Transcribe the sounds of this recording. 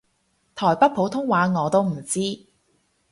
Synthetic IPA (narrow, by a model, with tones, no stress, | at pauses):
t̪ʰɔː˨˩jpɐ˥t̚pʰo˨˥wt̪ʰʊ˥ŋwaː˨˧˥ŋɔː˨˧t̪o˥wm̩˨˩t͡siː˥